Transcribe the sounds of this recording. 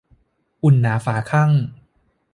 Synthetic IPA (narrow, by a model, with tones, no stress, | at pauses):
ʔu˧nːaː˩˦faː˩˦kʰa˥˩ŋ